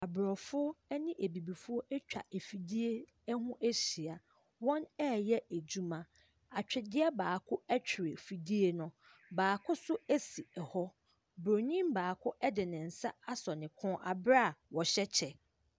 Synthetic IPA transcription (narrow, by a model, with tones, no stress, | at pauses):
a˨bɾɔ˨fʊ˦ɔ˦ɛ˦nɪ̃˦ʔe˨bi˨bi˨fʊ˦ɔ˦ʔɛ˦t͡ɕᶣa̰˨ʔe˨fi˨di˦e˦ | hʊ̃˦ʔɛ˦ɕi˨a˨ | wɔ̃˦nɛ˦˨jɛ˦e˨d͡ʑu˦mã˨ | a˨t͡ɕᶣɪ˨dɪ˦ɛ˦baː˨kʰʊ˦ɛ˦t͡ɕᶣʰɪ˨ɾɪ˨fi˨di˦e˦nʊ̃˦ | baː˨kʰʊ˦sʊ˦æ˦si˨ɛ˨hɔ˦ | bɾo˨ɲĩ˦mbaː˨kʰʊ˦ʔɛ˦dɪ˨nɪ̃˨n̩˨sa˦a˦sɔ˨nɪ̃˨kʰʊ̃˦ʔa˨bɾa˦˨wɔ˨ɕɛ˦t͡ɕʰɛ˨